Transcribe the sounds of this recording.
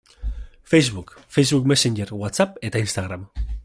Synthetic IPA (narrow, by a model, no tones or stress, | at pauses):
fejzβukfejzβukmesend͡ʒeɾwat̪sapet̪ainst̪aɣɾam